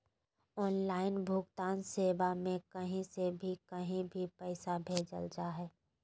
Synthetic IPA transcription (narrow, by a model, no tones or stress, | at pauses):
ɔːnlaːɪnbʱʊɡt̪aːnseːbamẽkɐɦĩsebʱikɐɦĩbʱipɛɪsabʱeːd͡ʒə̰ld͡ʒaɦɛː